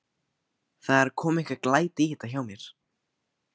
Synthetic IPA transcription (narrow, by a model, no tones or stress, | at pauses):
θaðɛɾkʰɔːmɪhkaklaːjt̪ɪihɪt̪ːaçawmjɛɾ̥